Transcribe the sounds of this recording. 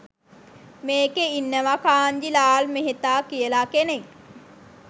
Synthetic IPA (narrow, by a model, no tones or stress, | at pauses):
meːkeinːəʋakaːɲd͡ʒilaːlmeɦet̪aːkijəlakenek